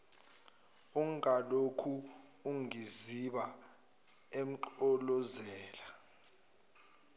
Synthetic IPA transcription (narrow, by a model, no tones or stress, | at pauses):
uŋalokʰuːŋiziɓa | em̩ǃɔlɔzɛːla